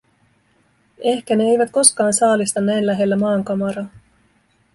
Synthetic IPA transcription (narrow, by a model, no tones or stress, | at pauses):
e̞hkæne̞ejʋæt̪̚ko̞skɑːnsɑːlist̪ɑnːæjnlæɦe̞lːæmɑːŋkɑmɑɾɑː